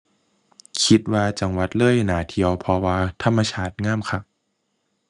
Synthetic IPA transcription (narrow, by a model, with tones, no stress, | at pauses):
kʰi˦t̪̚waː˧t͡ɕa˧ŋwa˨˦t̪̚lɤː˥˩˨jnaː˩˦t̪ʰi˧əwpʰɔ˧waː˧t̪ʰa˧mːa˧t͡ɕʰaː˧˥˩t̪̚ŋaː˥˩mkʰa˧˩k̚